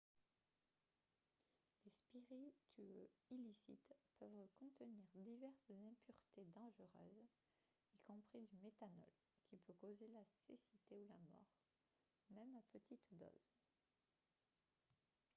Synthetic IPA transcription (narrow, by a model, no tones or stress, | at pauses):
lespiʁit̪ʰyøilisḭt̪pœvkɔ̃t̪əniʁd̪ivɛʁszɛ̃pyʁt̪ed̪ɑ̃ʒəʁø̰ːz | ikɔ̃pχid̪ymet̪anɔ̰l | kʲʰipøkozelasḛsit̪eulamɔ̰ʁ | mɛmapət̪it̪d̪ɔ̰z̥